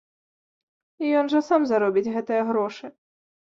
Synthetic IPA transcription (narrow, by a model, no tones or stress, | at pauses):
ijɔnʐɐsamzɐɾɔbʲid͡zʲɣɛt̪ɨjɐɣɾɔʂɨ